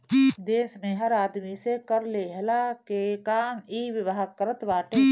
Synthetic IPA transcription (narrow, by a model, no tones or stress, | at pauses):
d̪eːsmẽɦɐɾaːd̪misekəɾleːɦlakekaːmiːʋɪʋəɦəkəɾət̪ʋaːʈeː